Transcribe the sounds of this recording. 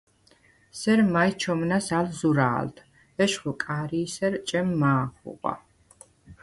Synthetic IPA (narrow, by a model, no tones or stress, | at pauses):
sɛɾmajt͡ʃʰɔmnasalzuɾa̰ːlt̪ʰ | ɛʃχukʼaɾiːsɛɾt͡ʃʼɛmːaːχṵqʼwa̰